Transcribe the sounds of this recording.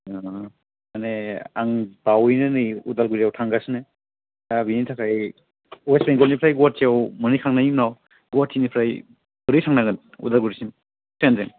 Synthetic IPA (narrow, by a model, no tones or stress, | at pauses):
a | aneaŋbawjnɯnɯjudalɡɯɾijawtʰaŋɡasnɯ | abinitʰakʰaj | uwesbeŋɡɔlnipʰɾajɡuat̚tiawmɯnijkʰaŋnajiŋnaw | ɡuatʰinipʰɾaj | bɯɾitʰaŋnaɡɯn | ṵdalɡuɾisin | tenzeŋ